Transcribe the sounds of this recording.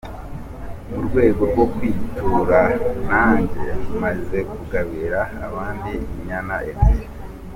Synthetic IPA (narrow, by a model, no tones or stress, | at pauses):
muɾɡwe̞ːɡo̞ɾɡwo̞kwiːtʰuɾanaːɲɟḛumaze̞kuɡaβiɾaːβaːndimɲana̰ʔeɾsi